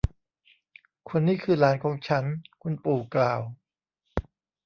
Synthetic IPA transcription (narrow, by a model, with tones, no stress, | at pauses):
kʰo˧nːiː˥˩kʰɯː˧laː˩˦nkʰɔː˩˦ŋt͡ɕʰa˦˥nkʰu˧npuː˨˩klaː˨˩w